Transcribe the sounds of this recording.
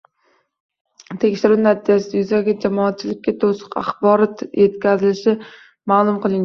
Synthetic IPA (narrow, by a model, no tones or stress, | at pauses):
t̪ʰekʲʃɪɾɪnat̪ʰid͡ʒasɪd̪ajʊzaɡʲad͡ʒamɒːt̪̚t͡ʃʰɪlɪk̚ʲːat̪ʰosɨ̥qa̰χbɒɾɒt̪jet̪̚kʲazɪlɪʃɪ | malˠʊmqɨlˠɪŋ